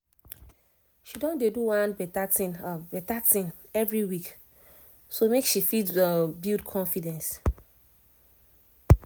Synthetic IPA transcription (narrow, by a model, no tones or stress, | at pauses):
ʃidɔ̃ndeduwãnbɛtatĩnbɛtatĩnɛvɹiwik | somekʃifidbildkʰɔ̃nfidɛ̃ns